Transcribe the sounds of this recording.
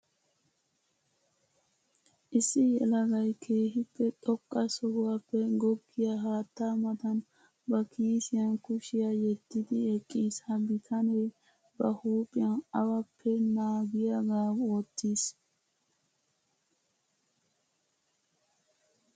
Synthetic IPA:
ʔɪsːɪjɛlɐɡɐjkʰe̞ːɦɪpːɛt̪ʼɔkʼːɐsɔhʊwɐpːɛɡɔɡːɪjaɦaːt̪ːaːmɐt̪ɐn | bɐkʰiːsɪjɐnkʊʃɪjajɛt̪ːɪd̪ɪɛkʼːiːshɐbɪt̪ʰɐnej | bɐhuːpʼɪjɐnɐwɐpʰːɛnaːɡɪjɐɡaːoːt̪ːiːs

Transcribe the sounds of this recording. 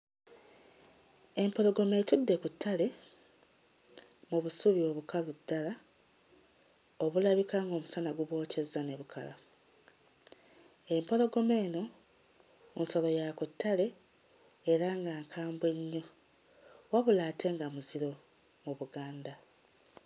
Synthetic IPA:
e̞mpo̞lo̞ɡo̞me̞tudːe̞kutʰːale̞ | muβusuβio̞βukaludːala | oβulaβikaŋɡo̞ːmusanaɡuβwo̞ːce̞zːane̞βukʰa̰la | e̞mpo̞lo̞ɡo̞me̞ːno̞ | unso̞lo̞jakutːale̞ː | ɾaŋɡaːŋkʰaːmbwe̞ɲːo̞ | waβulaːtʰe̞ŋɡamuziɾo̞ | muβuɡaːnda

